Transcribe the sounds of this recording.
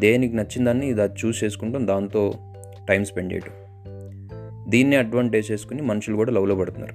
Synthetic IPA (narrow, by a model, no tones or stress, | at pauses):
d̪e̞ːnik̬inɐt͡ʃːind̪aːnːid̪aːt͡ʃuːst͡ʃe̞ːsu̥kuɳʈɐmd̪aːnt̪o̞ː | ʈɐjmspe̞ɳɖeːʈu̥ | d̪iːnːiɐɖʋaːɳʈeːd͡ʒt͡ʃe̞ːsu̥kunimɐnuʂulukuːɽaːlɐʋloːpɐɽut̪unːa̰ːɾu